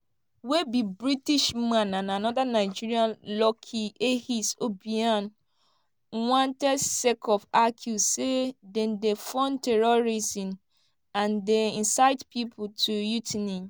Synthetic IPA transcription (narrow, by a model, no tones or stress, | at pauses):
webibɹitiʃmãnãnanɔdanaɪd͡ʒiɾiãnlɔkʰiʔehisobiãn | wãntɛsekʰɔfakʰjusedɛ̃ndefɔ̃ntʰɛɹoɹizĩm | ãndeĩnsaɪtpʰipʰʊtʰujutʰnĩ